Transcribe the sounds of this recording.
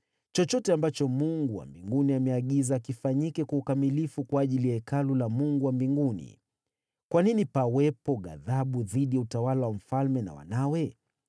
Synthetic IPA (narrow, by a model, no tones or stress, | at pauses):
t͡ʃɔt͡ʃɔtɛambat͡ʃɔmuŋɡuwa̰mbiŋɡuniamɛaɠizaːkifaɲikɛkaukamilifukwaːʄilijaɛkalulamuŋɡuwambiŋɡunḭ | kwaninipawɛpɔɠa̰ðaɓuðiɗijautawalawam̩falmɛna̰wa̰nawɛ